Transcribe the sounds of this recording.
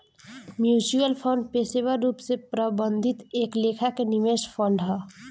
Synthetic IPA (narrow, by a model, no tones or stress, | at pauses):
mjut͡ʃuəlpʰəɳɖpesebaɾupsepɾəbənd̪ʱit̪eklekʰakenimespʰəɳɖɦə